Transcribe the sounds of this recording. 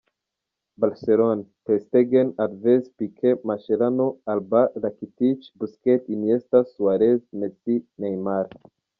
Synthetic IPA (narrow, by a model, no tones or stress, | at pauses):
balseɾonpest̪eɡenadvezpikʰemaʃelanoalbalakit̪it͡ʃbusket̪iniest̪asuaɾeznet͡sinejmaɾ